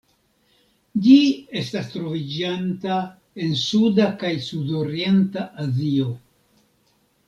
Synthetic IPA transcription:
d͡ʒie̞stastɾo̞vid͡ʒanta | e̞nsudakajsudo̞ɾije̞ntaʔazio̞

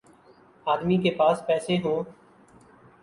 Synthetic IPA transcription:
aːd̪miːkeːpaːspɛːseɦõː

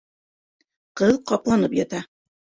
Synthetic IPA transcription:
qɤðqɒplˠɑnɤpjɑt̪ɑ

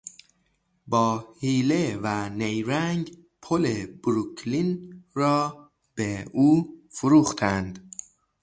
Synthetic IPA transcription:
bɒːhiːlevænejɾæŋɡ | pʰoleb̥ɾukʰlinrɒː | b̥euːfoɾuːxt̪ʰænd̪̥

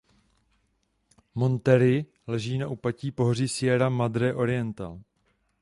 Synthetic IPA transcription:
mo̞nt̪ɛɾɪ | lɛʒiːnaʔupaciːpo̞ɦoriːsɪjɛɾamad̪ɾɛːʔo̞ɾɪjɛnt̪a̰l

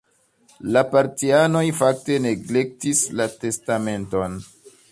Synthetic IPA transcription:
lapaɾtiano̞jfak̚te̞ne̞ɡlek̚tislate̞stame̞nto̞n

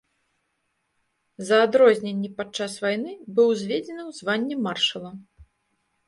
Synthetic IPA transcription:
zɐːd̪ɾɔzʲnʲenʲːɛpat̪̚t͡ʂasvajnɨbɨwzʲvʲed͡zʲɛnɨwzvanʲːɛmarʂɐlˠɐ

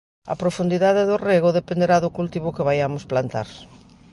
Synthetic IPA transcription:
ɐ̰pɾofund̪iðaðeðʊreɣoðepend̪eɾaðʊkult̪iβʊkɪβajamʊsplant̪a̰ɾ

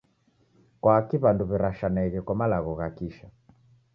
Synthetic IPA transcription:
kwaːkiβanduβiɾaʃanaiɣɛkwamalaɣɔɣakiʃa

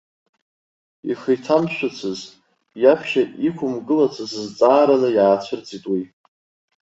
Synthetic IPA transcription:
iχijtʰamʃʷᶣʊt͡sʷʰɨz | japʰʃaikʷʰʊmɡɨlat͡sʷʰɨsɨzt͡sʼaːɾanɨjaːt͡ɕʷʰɨrt͡sʰʼitʼwi

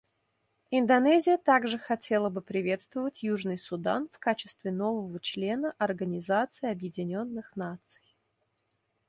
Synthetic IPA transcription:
ɪnd̪ɐnɛzʲɪjət̪aɡʐɨxɐtʲe̞lˠəbɨpɾʲɪvʲe̞t̪st̪vəvətʲjuʐnɨjsʊd̪a̰nfkat͡ɕɪ̥st̪vʲɪno̞vəvət͡ɕlʲe̞nəʔɐrɡənʲɪzat̪sɨɪɐbjɪdʲɪnʲo̞nːɨxnat̪sɨ̥j

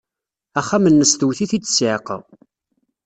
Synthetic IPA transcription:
æχːæmənːəst̪əwθiθid̪ə̥sʕeqə̰ʁ

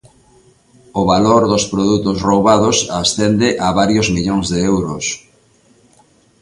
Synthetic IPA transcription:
ʊβaloɾðʊspɾoðut̪ʊsrowβaðʊsasθɛnd̪ɪʔaβaɾjozmiʎoŋzðeɛwɾʊs

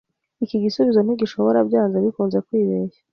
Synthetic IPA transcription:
ikiɡisuβizo̞n̥iɡiʃo̞βoɾabɟaːnzaβikuːnze̞kwiːβeːjḁ

